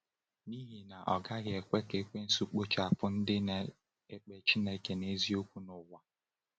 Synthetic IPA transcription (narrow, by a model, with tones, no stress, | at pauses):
ni˦ɦi˨na˨ʔɔ˨ɡa˦ɣe˨kʷe˦ke˨˦kʷe˦n̩˦su˦k͡po˦t͡ʃa˨a˨pʊ˦n̩˦dɪ˦na˨ | e˦k͡pe˨t͡ʃi˦ne˦ke˨ne˦zi˦o˦kʷu˦nʊ˨wa˨